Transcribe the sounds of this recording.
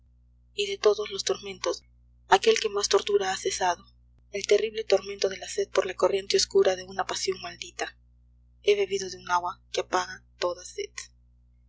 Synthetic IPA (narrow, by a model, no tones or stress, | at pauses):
iðe̞t̪o̞ðozlo̞st̪o̞ɾmẽ̞nt̪o̞s | ake̞lke̞mast̪o̞ɾt̪uɾaase̞saðo̞ | e̞lt̪e̞riβle̞t̪o̞ɾment̪oð̞e̞lase̞ð̚po̞ɾlako̞rje̞nt̪eoskuɾaðe̞unapasjo̞ŋmald̪it̪a | e̞βe̞βiðo̞ðeunaɣwakeapaɣat̪o̞ðaseð̥